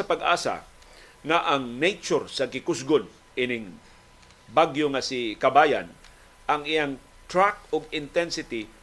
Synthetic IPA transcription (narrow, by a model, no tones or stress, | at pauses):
ɐpaɡʔa̰ːsa̰ | ŋaʔɐŋnɛjt͡ʃoɾsɐɡɪkʊsɡon | ʔɪnɪŋ | baɡjoŋasɪkɐbaːja̰n | ʔɐŋɪjaŋ | t̪ɹak̚oɡɪnt̪ɛnsɪt̪ɪ